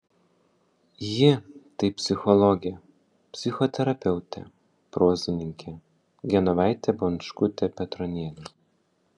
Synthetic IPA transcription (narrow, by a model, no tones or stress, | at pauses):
jɪt̪ɐɪpʲsʲɪxɔlˠɔɡʲe | pʲsʲɪxɔt̪ʲɛɾɐpʲɛʊt̪ʲɛ̰ | pɾoːzʲɪnʲɪŋʲkʲʰɛ | ɡʲɛnɔʋɑˑɪt̪ʲɛbɔnʃkʊt̪ʲɛpʲɛt̪ɾɔnʲiɛlʲɛ